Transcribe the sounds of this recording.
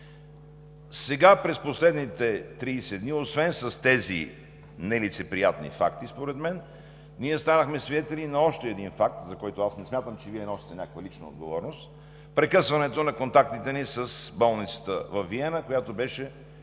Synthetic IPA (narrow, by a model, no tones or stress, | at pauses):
sɛɡapɾɛsposlɛd̪nit̪ɛt̪ɾiːsɛd̪niosvɛnsɐst̪ɛzḭ | nɛlit̪sɛpɾijat̪nḭfa̰kt̪ispoɾɛd̪mɛn | niɛst̪anəxmɛsvid̪ɛt̪ɛlinɐɔʃt̪ɛːd̪infak̚t̪zɐkɔjt̪oasnɛsmʲjat̪əmt͡ʃɛviɛnɔsi̥t̪ɛnʲakəkvəlit͡ʃnəo̰d̪ɡovɔɾnost̪ | pɾɛkɤsvɐnɛt̪onɐkont̪ak̚t̪it̪ɛnisəsbɔlˠnit̪sə̥t̪əvɐfːiɛnəkojat̪obɛʃɛ